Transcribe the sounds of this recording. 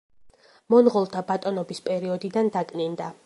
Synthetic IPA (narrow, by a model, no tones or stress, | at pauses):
mɔnʁɔlˠt̪ʰabat̪ʼɔnɔbispʼɛɾiɔd̪id̪and̪akʼnind̪a